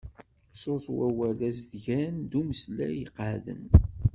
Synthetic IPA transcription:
soθwæwælæsðʝænd̪uməslæ̰jəqːðə̰n

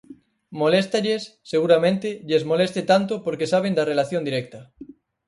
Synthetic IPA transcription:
molest̪aʎesːeɣ̞uɾamẽnt̪ɪʎezmolest̪et̪ant̪opoɾkesaβ̞end̪ɐrelaθjond̪iɾɛk̚t̪ɐ

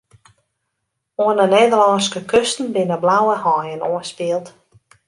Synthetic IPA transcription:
oənəneːdəlɔnskəkʰøstn̩bɪnəblawəhɔjənoənspiəlˠt

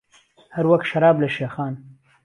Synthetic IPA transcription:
haɾwaxt̪ʃaɾɑːbleʃaxɑːn

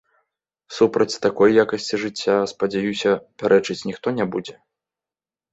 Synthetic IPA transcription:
supɾɐt͡sʲt̪akɔjːakɐsʲt͡sʲiʐɨt͡sʲːaspɐd͡zʲajusʲɐpʲaɾʔɛt͡ʂɨt͡sʲnʲixt̪ɔnʲɛbud͡zʲɛ

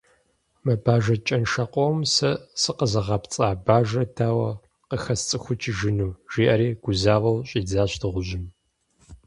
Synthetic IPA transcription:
mɐbaːʒɐt͡ʃʼɐnʃɐqʷʼɔwmsɐsɨqəzɐʁɐpt͡sʼaːbaːʒɐtʰaːwɐ | qəxɐst͡sʼɨxʷʊt͡ʃʼʰɪʒɪnuːʒ̥iːʔɐɾiːɡ̥ʷʊzaːʁɐwɕʼiːd͡zaːɕtʰɨʁʷʊʑɪm

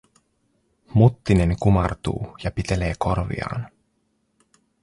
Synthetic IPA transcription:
mut̪ːine̞ŋkumɑrt̪ṵːjɑpit̪e̞le̞ːko̞rʋḭɑ̰ːn

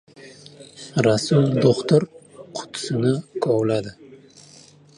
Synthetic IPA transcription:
ɾasʊlˠd̪oqt̪ʊɾqʰʊ̥t̪ʰʊ̥sɪnɪkʰɒwlad̪ɪ

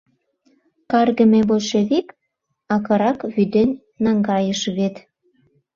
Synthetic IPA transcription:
kɑrɣə̆meboʃeβik | ɑkɤ̆ɾɑkβyd̪enʲːɑŋɡɑjəʃβet̪

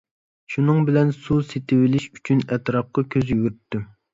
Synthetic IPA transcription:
ʃunɨŋbɪlɛnsuset̪ʰɪwɪlɪʃy̥t͡ʃʰynɛt̪ɾɑp̚qɑkʲʰøzjyɡʲyɾyt̪ːy

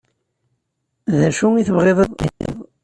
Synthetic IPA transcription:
ðæʃuŋiθəvʁeðˤəðˤḭtːḛðˤ

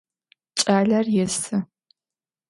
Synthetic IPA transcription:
t͡ʃʼaːɮɐrjɛsɨ

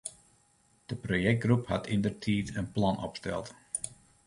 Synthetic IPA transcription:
d̥əprojɛk̚t̚ɡruphatʰindərtʰiːtənplɑnɔ̰pstɛ̰lˠt

